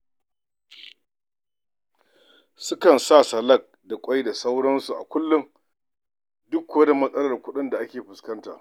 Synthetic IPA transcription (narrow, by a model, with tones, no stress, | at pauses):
sʊ˦kɐ˨nsaː˦˨sɐ˨lɐ˦˨k̚da˨kʷʼa˦jda˨sa˦wɽɐ˦nsu˨ʔa̰˨kʷʊ˦lːʊ˦ŋ | dʊ˦kːɐ˦da˨mɐ˦sʼɐ˦lɐ˨rkʷʊ˦ɗɪ˦nda˨ʔa˦kʲeː˨ɸʊ˨skɐ˦nta̰ː˨